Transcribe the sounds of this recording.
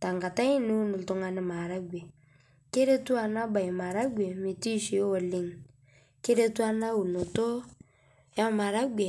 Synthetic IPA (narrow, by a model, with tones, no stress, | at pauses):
ta˨ŋɡa˨ta˦i˦ni˦u˦nu˨lto˦ŋa˨nɪ˦ma˨ɾa˦ɡʷe˨ | ke˦ɾe˦tu˦a˨na˦ba˨ji˨ma˨ɾa˦ɡʷe˨mi˨ti˦ʃi˨˦wɔ˨li˦ŋ | ke˦ɾe˦tu˦a˦na˦wu˨nu˨to˦ | ja˦ma˨ɾa˦ɡʷe˨